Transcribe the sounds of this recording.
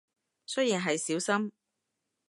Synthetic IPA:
sɵ˥jiː˨˩nɦɐ˨jsiː˨˥wsɐ˥m

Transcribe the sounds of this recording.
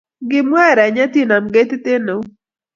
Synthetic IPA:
ɡɪ˦mwɛ˦˨ɾɛ˨ɲa˦t̪i˦˨na˨mɡe˦t̪ɪ˦t̪ɪ˦no˨

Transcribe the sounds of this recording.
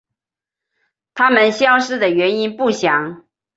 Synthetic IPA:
t̪ʰa˥mə˨nɕjɑ˥ʊʂɻ̩˥˩d̪ə˩ɥɛ˧˥ni˥npu˥˩ɕjɑ˨˩˦ŋ

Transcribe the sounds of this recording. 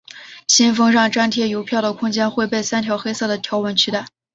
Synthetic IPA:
ɕi˥nfɤ˥ŋɻɑ˥˩ŋʈ͡ʂa˥nt̪ʰjɛ˥˩jo˧˥ʊpʰjɑ˥˩ʊd̪ə˩kʰʊ˥ŋt͡ɕjɛ˥nxwe˥˧ɪpe˥˩ɪsa˥nt̪ʰjɑ˧˥ʊxe˥ɪsɤ˥˩d̪ə˩t̪ʰjɑ˧˥ʊwə˧˥nt͡ɕʰy˥t̪a˥˩ɪ

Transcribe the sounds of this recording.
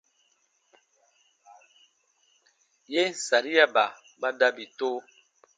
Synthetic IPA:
je˦n̩˦˨sa˨ɾi˦ja˦ba˨ | ba˦da˦bi˨to˦

